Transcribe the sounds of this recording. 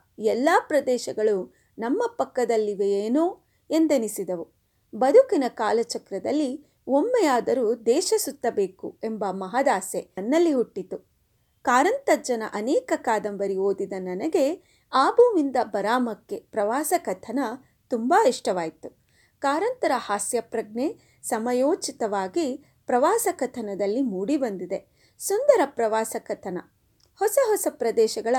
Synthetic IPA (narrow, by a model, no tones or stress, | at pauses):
ɛlːaːpɾɐd̪ɛːʃɐɡɐɭu | nɐmːɐpɐkːɐd̪ɐlːiʋejeːnoː | e̞nd̪enisid̪ɐʋu | bɐd̪ʱukinɐkaːlɐt͡ʃɐkɾɐd̪ɐlːi | omːɛjaːd̪ɐɾuːd̪ɛːʃɐsut̪ːɐbe̞ːkue̞mbɐmɐɦɐd̪aːsenːɐlːiɦuʈːit̪u | kaːɾɐnt̪ɐd͡ʒɐnɐ̰ʔɐnɛːkɐkaːd̪ɐmbɐɾioːd̪id̪ɐnɐnɐɡe̞ | aːbuːʋind̪ɐbɐɾaːmɐkːe̞pɾɐʋaːsɐkɐt̪ʰɐnɐ | t̪umbaːiʂʈɐʋaːjit̪u | kaːɾɐnt̪ɐɾɐhaːsjɐpɾɐɡɳe | sɐmɐjoːt͡ʃit̪ɐʋaːɡi | pɾɐʋaːsɐkɐt̪ʰɐnɐd̪ɐlːimuːɽibɐnd̪id̪e̞ | sund̪ɐɾɐpɾɐʋaːsɐkɐt̪ʰɐnɐ | hɔsɐɦɔsɐpɾɐd̪ɛːʃɐɡɐɭɐ